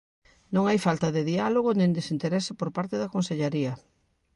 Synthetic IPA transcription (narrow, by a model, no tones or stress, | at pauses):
nõŋajfalt̪ɐðɪðialoɣ̞onẽnd̪esint̪eɾɛsɪpoɾpaɾt̪ɪðɐkonseʎaɾiɐ